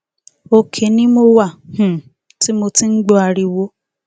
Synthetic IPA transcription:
o˧kʰe˨˦nĩ˦mo˧wa˦˨h̩˨ | ti˦mo˧ti˦n̩˦ɡ͡bɔ˦a˧ɾi˧wo˦

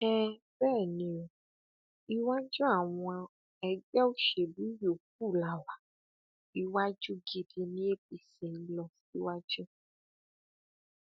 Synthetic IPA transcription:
ɛ˦ | bɛː˦˨nĩ˧o˨ | i˦˧wa˦d͡ʒu˦a˦˨w̃ɔ̃˧a˧ | ɛ˧ɡ͡bɛ˦o˦ʃe˨bu˨˦jo˨k̚u˦˨la˨wa˨ | i˧wa˦d͡ʒu˦ɡi˧di˧nĩ˦e˦b̚i˧sĩ˨n̩˦lɔ˧˦i˦wa˦d͡ʒu˦

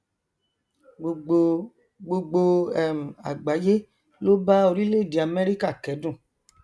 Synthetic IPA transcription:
ɡ͡bo˧o˧ | ɡ͡bo˧ɡ͡bo˧ɛ˨m̩˨a̰˨ɡ͡ba˨˦je˦ | lo˦ba˦o˧ɾi˦le˦˨di˨a˨me˦ɾi˦ka˦˨kɛ˨˦dũ˦˨

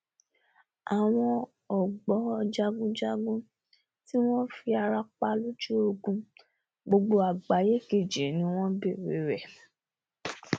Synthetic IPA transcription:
a˨w̃ɔ̃˧ | ɔ˨ɡ͡bɔ˨˦˧d͡ʒa˧ɡũ˦d͡ʒa˦ɡũ˦ | ti˦w̃ɔ̃˦fi˧a˧ɾa˧k͡pa˧lu˦d͡ʒu˦o˧ɡũ˧˦ | ɡ͡bo˧ɡ͡bo˧a˨ɡ͡ba˨˦je˦ke˦˨d͡ʒe˨nĩ˨˦w̃ɔ̃˦be˦˨ɾe˨˦ɾɛ˨

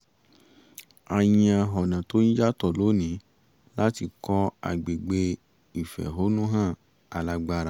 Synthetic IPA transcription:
a˧jĩ˧a˧ɦɔ˨nã˨to˨˦nĩ˦d͡ʒa˦tɔ˦˨lo˨˦nĩ˨˦ | la˦ti˧kɔ˧˦a̰˨ɡ͡be˨ɡ͡be˧ | i˨fɛ̰˨ɦo˨˦nũ˦ɦã˦˨ | a˨la˧ɡ͡ba˧ɾa˨

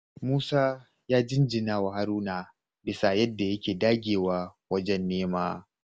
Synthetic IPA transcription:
muː˦saː˦ | jaː˦d͡ʒɪ˦nd͡ʒɪ˨naː˦˨wa˨ha˦ɾuː˦naː˨ | bɪ˦sa˨jɐ˦dːa˨jɐ˦kʲeː˨daː˦ɡʲeː˨waː˦wɐ˦d͡ʒɛ˦nːeː˦maː˦

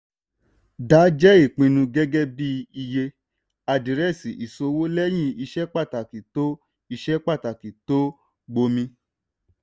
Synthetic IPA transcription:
da˨˦d͡ʒɛ˦i˦˨k͡pĩ˧nũ˧ɡɛ˦ɡɛ˦bi˦i˧je˧ | a˧˨di˨ɾɛ˦˨si˨ʔi˨so˧wo˦lɛ˦j̃ĩ˦˨i˧ʃɛ˦k͡pa˦˨ta˨ki˨to˦ | i˧ʃɛ˦k͡pa˦˨ta˨ki˨to˦ | ɡ͡bo˧mĩ˧

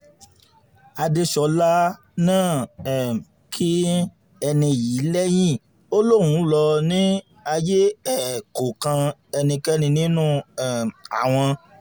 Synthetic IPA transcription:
a˧de˧ʃɔ˧la˦ | nãː˦˨ɛ˨ | kʰi˦ | ɛ˧nĩ˧ji˨˦lɛ˦j̃ĩ˦˨ | o˦lo˦˨wũ˨˦lɔ˧nĩ˦ | a˧je˦ɛ˦˨ko˨kã˧ɛ˧nĩ˧kɛ˦nĩ˧nĩ˦nũ˦˨ɛ˦˨a̰˨w̃ɔ̃˧

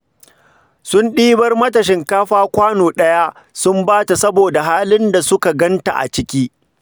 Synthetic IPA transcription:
sʊ˦nɗiː˦bɐ˦rmɐ˦tɐ˨ʃ̬ɪ˦ŋkaː˦ɸaː˦kʷaː˦noː˨ɗɐ˦ja˦ʔ | sʊ˦mbaː˦ta˨sɐ˦boː˨da˨ɦaː˦lɪ˦nda˨sʊ˦ka˨ɡɐ˦nta̰˨ʔa̰˨t͡ʃɪ˦kʲiː˦

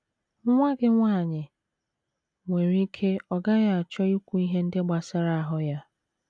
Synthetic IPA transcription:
ŋʷa˦ɡɪ˦ŋʷaː˦˨ɲɪ˨ | ŋʷe˨ɾi˦kʰe˦ɔ˨ɡa˦ɣa˦a˨t͡ʃɔ˦i˦kʷu˨i˦ɦe˦n̩˦dɪ˦ɡ͡ba˨sa˦ɾa˦˨a˨ɦʊ˦ja˦

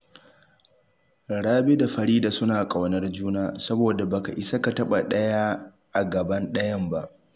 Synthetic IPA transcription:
ɽaː˦be˦da˨ɸɐ˨ɾiː˦daː˨sʊ˦naː˨kʼa˨wnɐ˦rd͡ʒuː˦naː˦sɐ˦boː˨da˨bɐ˨ka̰˨ʔɪ˨sa˦ka˨tɐ˦ɓa˨ɗɐ˦ja˦ | ʔa˨ɡɐ˨bɐ˦nɗɐ˦jɐ˦mba˦˨ʔ

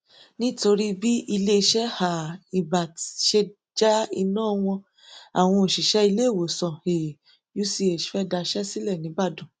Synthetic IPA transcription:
nĩ˦to˧ɾi˦bi˦ʔi˧le˦˧ʃɛ˦ha˨i˨ba˨ti˨ʃe˧ | d͡ʒa˦i˧nãː˦˨w̃ɔ̃˧ | a̰˨w̃ɔ̃˧o˨ʃi˨ʃɛ˦i˧le˦˨wo˨sɔ̃˨he˨ | ju˨˦si˧e˨ʃfɛ˦da˧ʃɛ˦si˦lɛ˦˨nĩ˨˦ba˦˨dũ˨

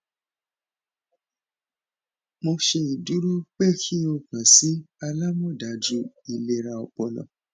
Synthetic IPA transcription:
mo˧ʃe˧i˨du˨˦ɾu˦k͡pe˦˨kʰi˦o˧kã˨si˨˦a˧la˦mɔ̃˦˨da˨d͡ʒu˨˦i˨le˧ɾa˧ɔ˧k͡pɔ˧lɔ̰̃˨

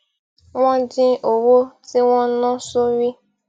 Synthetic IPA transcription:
wɔ̃˦dɪ̃˦ʔo˨wo˦ti˦wɔ̃˦nɔ̃˦so˦wi˦

